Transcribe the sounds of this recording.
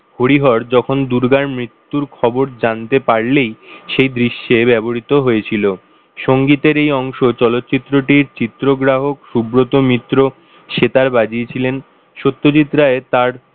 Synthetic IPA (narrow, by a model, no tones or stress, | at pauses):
hoɽiɦɔɾd͡ʑɔkʰond̪uɾɡanmɾit̪ːuɾkʰɔboɾd͡ʑant̪epaɾlejʃejd̪ɾiʃːebɛboɾit̪oɦojet͡ɕʰilo | ʃoŋɡit̪eɾejɔŋʃot͡ɕɔlot̪ːt͡ɕit̪ːɾoʈiɾt͡ɕit̪ːɾoɡɾaɦokʃubɾot̪omit̪ːɾo | ʃet̪aɾbad͡ʑiet͡ɕʰilen | ʃot̪ːot͡ɕit̪ːɾaet̪aɾ